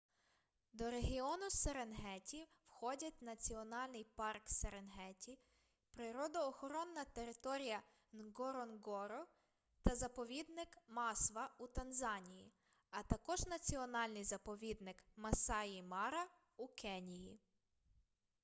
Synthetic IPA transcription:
d̪ɔɾeɦʲiɔnʊseɾenɦɛtʲiwxɔdʲɐt̚ʲnɐt͡sʲiɔnɑlʲnɪjpɑrkseɾenɦɛtʲi | pɾɪɾɔd̪ɔːxɔɾɔnːɐt̪e̞ɾɪt̪ɔɾʲijɐ | nɡɔɾɔnɡɔɾɔ | t̪ɐzɐpɔʋʲid̪nɪkmɑsʋɐut̪ɐnzɑnʲiji | ɐt̪ɐkɔʒnɐt͡sʲiɔnɑlʲnɪjzɐpɔʋʲid̪nɪkmɐsɑjimɑɾɐ | ukɛnʲiji

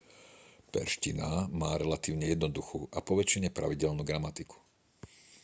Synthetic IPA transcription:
pɛ̰ɾʃcinamaːɾɛlat̪iːʊɲɛjɛd̪nɔd̪uxṵːʔapɔʋɛt͡ʃiɲɛpɾaʋiɟɛlnuːɡɾamat̪iku̥

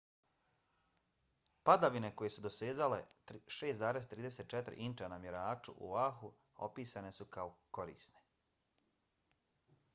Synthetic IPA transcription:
pad̪aʋine̞ko̞je̞sud̪o̞se̞ːzale̞ʃe̞ːsaːɾe̞st̪ɾiːd̪e̞set̪t͡ʃet̪ɾḭʔint͡ʃanamjeɾaːt͡ʃṵʔṵʋaxu | o̞̰piːsane̞sukaoko̞ɾḭːsne̞̥

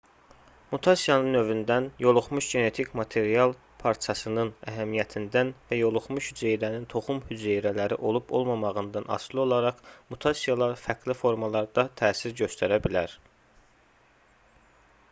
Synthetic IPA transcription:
mut̪ʰɑsijɑnɯnø̞vynd̪ænjo̞lˠuχmuʃɟe̞ne̞t̪ʰicmɑt̪ʰe̞ɾiɑlˠ | pʰɑɾt͡ʃʰɑsɯnɯnæɦæmijæt̪ʰind̪ænvæjo̞lˠuχmuʃhyzejɾænint̪ʰo̞χumhyzejɾælæɾḭʔo̞lˠubo̞̰lˠmɑmɑɣɯnd̪ɑnɑ̰slˠio̞lˠɑɾɑχmut̪ʰɑsijɑlˠɑɾfæɡlifo̞ɾmɑlˠɑɾd̪ɑt̪ʰæːsiɾɟø̞st̪ʰæɾæbilæɾ

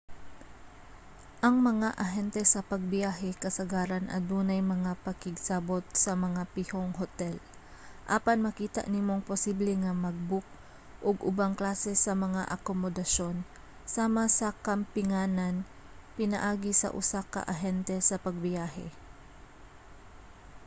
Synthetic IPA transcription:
ʔɐŋmɐŋaʔɐɦɛnt̪ɛsɐpɐɡ̚bɪjaːɦɛkɐsɐɡaːɾɐnʔɐ̰d̪uːnɐjmɐŋapɐkɪɡsabo̞t̪̚sɐmɐŋapɪhoŋɦot̪ɛl | ʔaːpɐnmɐkiːt̪a̰ʔnɪmoŋposiːblɛŋɐmɐɡ̚bʊk̚ | ʔoɡʔʊbaŋklaːsɛsɐmɐŋa̰ʔɐkomod̪ɐʃo̞n | saːmɐsɐkɐmpɪŋaːnɐn | pɪnɐ̰ʔaːɡɪsɐ̰ʔʊ̰sakɐ̰ʔɐɦɛnt̪ɛsɐpɐɡ̚bɪjaːɦɛ̰

